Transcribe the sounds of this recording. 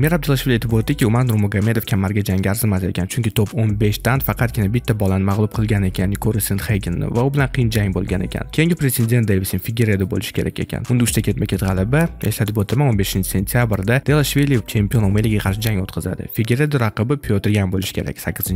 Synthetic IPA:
menab̚d̪elˠaʃvilʲie̞t̪ʰɪpot̪ːɪkʲiʊmaɾnɾʊmoɡame̞d̪ofkʲʰamːaɾɡʲad͡ʒaŋɡʲaaɾzɪmase̞kʲʰant͡ʃʰʊŋkʲɪt̪ʰoponbe̞ʃt̪ʰant̪fɑqʰɑt̪̚ɡʲɪnabɪt̪ːabɒlˠanɪmaʁlˠʊb̚qʰɨlˠɡʲanekʲʰanːɪkʰoɾɪsenχeɡʲɪnːɪ̰vaʊbɪlanqʰɨjɪnd͡ʒaŋbolˠɡʲa̰ne̞̰kʲʰa̰nkʲʰe̞jɪŋɡʲɪpɾesʲend̪ʲe̞nt̪d̪ejvɪsɪnfɪɡʲeɾed̪ʊbo̰lɪʃɪ̥kʰʲe̞ɾa̰kʲe̞̰kʲʰa̰nʊnd̪ɪʊʃt̪akʲʰe̞t̪̚makʰʲe̞t̪ʁɑlˠabaeʃlat̪ʰɪpot̪ʰɪɾmanonbe̞ʃɪnt͡ʃʰɪ̥sʲe̞nt̪ʰijabɾd̪ad̪̥elˠaʃvelʲit͡ʃʰe̞mpijo̞nomeliɡʲaqʰɑɾʃ̬ɪd͡ʒaŋot̪qʰɨza̰d̪ɪ̰feɡʲeɾed̪oɾaqɨbɪpʰiot̪ʰɪɾɡʲanbolˠɪʃɪ̥kʲe̞̰ɾa̰kʲsakʲːɪzɪnt͡ʃ

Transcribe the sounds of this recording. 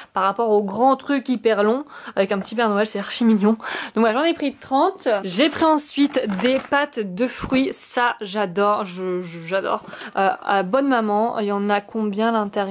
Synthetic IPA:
paʁapɔʁoɡʁɑ̃t̪χykʲipɛʁlɔ̃avɛkɛ̃pət̪ipɛʁnɔɛlsɛaʁʃimiɲjɔ̃d̪ɔ̃kvaʒɑ̃nepχit̪χɑ̃t̪ʒepχiɑ̃sɥit̪d̪epat̪d̪əfχɥisaʒad̪ɔʁʒəʒəʒad̪ɔ̰ːʁøabɔnmamɑ̃ljɑ̃nakʰɔ̃bjɛ̃lɛ̃t̪ɛʁ

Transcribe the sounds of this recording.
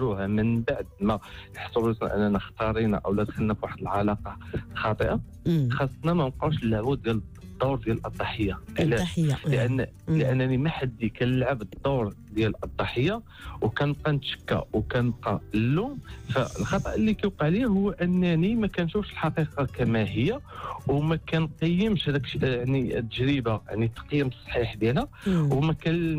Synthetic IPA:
ɾuhæmənbaʕd̪mæjəħsˤubsn̰ʔə̰nːænəxt̪ɑɾˤinæ̰ʔəwlæd̪xəlnæfwaħəd̪əlʕɑlɑqɑxɑt̪ˤəʔa | xɑsˤːnæmæqɑʕuʃəlːaʕbud̪jæld̪ˤːɑɾd̪jælʔɑd̪ˤːɑħəjːaʔəlælʔənː | ləʔənːænimæħad̪ːikænəlʕəbd̪ˤːoɾˤ | d̪jælʔɑd̪ˤːɑħəjːa | wkænqɑnt̪ʃə̥kːæ̰wkænəbqɑ̰əlːumfæəlxɑt̪ˤɑ̰ʔəlːikæjwqɑʕliæhʊwːʔənːænimækænʃufʃəlħɑqiqɑkæmæɦəjːæwmækænqəjːəmʃhæd̪ækʃaʕnit̪ːəʒɾibaja̰ʕnit̪ːɑ̥qjəmsˤːħiħb̪jælæ | wmækæ

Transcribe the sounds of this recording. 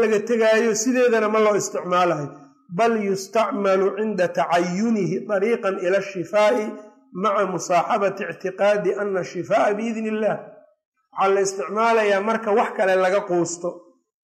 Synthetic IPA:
lɐɣɐt̪ʰɐɣaːjɔsɪðɛːðɐnɐmɐlɔːɪst̪ʰɪʕmaːlɐɪ | bɐljʊst̪ɑʕmɐlʊʕɪnd̪ɐt̪ʰɑʕɑjːʊnɪɦɪt̪ˤɑɾiːqɑnɪlɐʃːɪfaːʔɪ | maʕɑmʊsɑːħɑβɐt̪ɪʕt̪ʰɪqɑːd̪ɪʔɐnːɐʃɪfaːʔabɪɪðnɪlːaːh | wɑħɑːlɐɪst̪ʰɪʕmaːlɐjaːmɐrkʰɐwɑħkʰɐlɛlɐɣɐquːst̪ʰɔ

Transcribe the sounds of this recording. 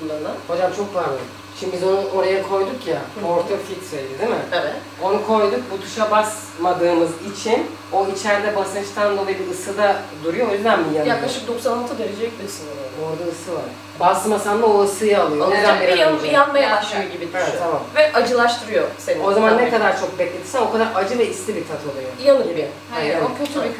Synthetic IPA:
bunˠaɾɯnd̪anho̞d͡ʒamt͡ʃʰo̞k̚baɾlˠɯ | ʃimibizo̞nuʔo̞ɾajakʰo̞jd̪ukjaoɾt̪ʰafit̪ʰɾaid̪ɪd̪imɪamɛ | o̞nukʰo̞jd̪uk̚but̪ʰu̥ʃabas | mad̪ɯːmɯzit͡ʃʰin | o̞it͡ʃʰɛɾd̪ɛbasɯt͡ʃt̪ʰand̪odabiɯsɯd̪ad̪uɾujojyzd̪ænbijanjakklˠaʃɯk̚d̪oksanat̪ʰad̪eɾed͡ʒɛɛc̚d̪isɯnˠoɾd̪aɯsɯvaɾ | baslˠɯmasand̪aoɯsɯjaːlˠɯjoned̪ænːeanˠjanmajaaʃɯjoɟibieɛamamvɛʔad͡ʒɯlˠaʃt̪ʰɯɾɯjosenio̞zamanːɛkad̪aɾt͡ʃʰo̞k̚bɛclʲe̞t̪ʰi̥ɾsɛmo̞kʰad̪aɾad͡ʒɯvɛist̪ʰibit̪ʰat̪ʰolˠɯjojanɯlja | okʰøt̪ʰy

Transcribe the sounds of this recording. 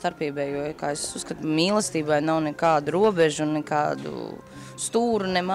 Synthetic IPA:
t̪aɾpiɛbɛːjuɔkaːesusskat̪umiːlˠəst̪iːbajnawnɛkaːd̪uɾuɔbɛʒunnɛkaːd̪ṵ | st̪uːɾunɛma

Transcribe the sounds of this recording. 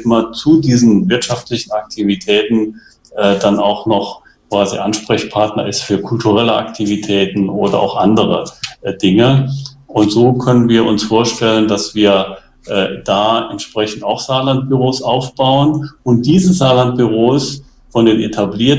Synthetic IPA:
ɪmɐt͡sudiːzn̩vɪɐtʃaftlɪçn̩ak̚tʰivitʰɛːtn̩ | ʔɛːdanaʊxnɔχ | kv̥aːzḭʔanʃpʁ̥ɛçpʰaɐtnɐɪstfyːɐkʰʊltʰuʁɛləʔa̰ktʰivitʰɛːtn̩ʔoːdɐ̰ʔa̰ʊxʔandəʁ̞əd̥ɪŋəʔʊntz̥oːkʰœnənviːɐʔʊnsfoːɐʃtɛləndasv̥iːɐ | ʔɛːd̥aːɛntʃpʁ̥ɛçn̩taʊxz̥aːlant̚b̥yʁoːsʔaʊfb̥aʊənʊnt̚d̥iːzəsz̥aːlant̚b̥yʁoːs | fɔndeːnʔḛtʰabliːɐt

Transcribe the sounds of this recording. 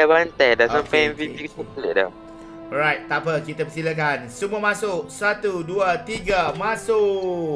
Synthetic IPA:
bant̪ajdasãmpaɛ̃nvipiksəkleʔ̚da̰ | ɔɹajt̪̚t̪ːapəkit̪apəsilak̬ansəmuamasʊk̚sat̪uduat̪iɡamasʊ

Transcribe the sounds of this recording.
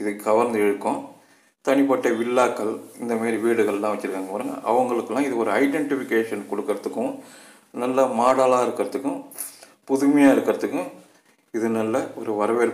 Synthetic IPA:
ɪðɯɡɐʋɐɾnd̪ɛɻɯkːʊ̃ | t̪ɐɳɪpɐʈːɐʋɪlːaːkːɐɭɪnd̪ɐmaːɾiʋiːɽɯɣɐɭlːãːʋɐt͡ʃːɪɾɯkːaːŋɡɐpɐɾɯŋɡɐ̰ʔɐ̰ʋɐŋɡɐɭɯkːɯlãːɪðɯɔɾɯɐɪɖɛɳʈɪfɪkːeːʂɐnkɔɽɯkːɯɾɐt̪ːɯkːʊ̃ | nɐlːɐmaːɽaːlaːɪɾɯkːɯɾɐt̪ɯkːʊ̃ | pʊðɯmɐjaːɪɾɯkːɪɾɐðɯkːʊ̃ | ɪðɯnɐlːɐɔɾɯʋɐɾɐʋeːɾ

